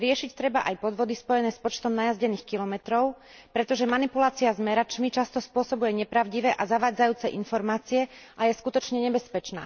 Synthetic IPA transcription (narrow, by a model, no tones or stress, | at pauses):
ɾɪɛʃict̪ɾɛbaʔajpɔd̪ʋɔd̪ispɔjɛnɛːspɔt͡ʃt̪ɔmnajazɟɛniːxkilɔmɛt̪ɾɔʊpɾɛt̪ɔʒɛmanipulaːt͡siazmɛɾat͡ʃmit͡ʃast̪ɔspʊɔsɔbujɛɲɛpɾaʊɟiʋɛːʔazaʋaːd͡zajuːt͡sɛʔinfɔɾmaːt͡siɛʔajɛskut̪ɔt͡ʃɲɛɲɛbɛspɛt͡ʃna̰ː